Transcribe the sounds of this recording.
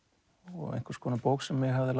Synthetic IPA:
ɔ̰ɣḛjŋ̥kʰḁɾskʰɔːnapowksɛmːjɛɣɦavðɪl

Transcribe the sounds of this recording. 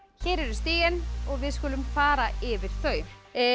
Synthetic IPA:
çɛːɾɛɾʏ̥st̪iːjɪnɔɣvɪðskʏːlʏmfaːɾaɪvɪɾ̥θœːɥ

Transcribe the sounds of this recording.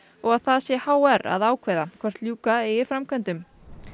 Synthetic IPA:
ɔɣaðθaðsjɛhaːwɛɾa̰ðaːwkʰvɛðakʰv̥ɛr̥t̪ljuːkaɪɪfɾamkʰɛnt̪ʏm

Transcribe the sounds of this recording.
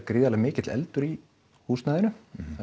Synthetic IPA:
kɾɪːðalaɣmɪːcɪt̪lɛ̰lt̪ʏɾi | huːst̪naːðɪnʏ

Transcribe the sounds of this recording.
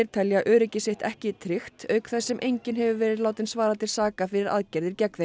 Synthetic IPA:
ɪɾ̥t̪ʰɛlːjaʔœːɾɪcɪseht̪ɛhcɪt̪ʰɾɪxt̪œɥkθɛsːɛmʔejɲcɪnɦɛvʏvɛːɾɪðlaːwt̪ɪnsvaːɾaðt̪ʰɪlsaːkafɪɾɪɾa̰ðcɛɾðɪɾcɛkve

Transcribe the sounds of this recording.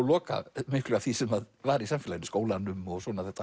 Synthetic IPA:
lɔːka̰mɪhklʏɣavθisɛmaðvaːɾɪisamfɪlajɪnskoːwlanʏmɔɣswɔːnaθɛht̪ːa

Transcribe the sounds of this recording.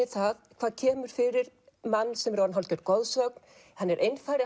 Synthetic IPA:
ɪθaðkʰv̥aːðcʰɛːmʏɾ̥fɪɾɪɾ | manːsɛmɾowːɾnɦɔlcœɾt̪̚kɔwðsœkn̥ | hanːɛɾʔejnfaːjɾɪ

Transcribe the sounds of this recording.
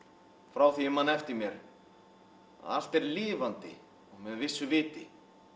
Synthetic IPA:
fɾawθiʏmanːɛft̪ɪɾmjɛɾ̥ | a̰l̥t̪ɛɾliːvant̪ɪ̰ | ɔɣmɛðvɪsːʏvɪːt̪ɪ

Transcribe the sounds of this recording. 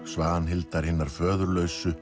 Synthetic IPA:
svaːnɦɪlt̪aɾ̥hɪnːaɾ̥fœːðʏɾlœːɥsʏ

